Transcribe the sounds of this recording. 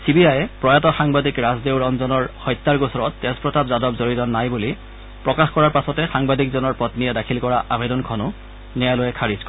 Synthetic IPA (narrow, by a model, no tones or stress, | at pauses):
sibiajɛpɹɔjatɔxaŋbadikɹazdewɹɔnzɔnɔɹhɔjt̪ːaɹɡosɔɹɔtːɛspɹɔtabzadɔpzoɹitɔnajbuli | pɹɔkaxkɔɹaɹpasɔtɛxaŋbadʱikzɔnɔɹpɔtnijɛdakʰilkɔɹaʔabedɔnkʰɔnʊ | nɛalojɛkʰaɹiskɔ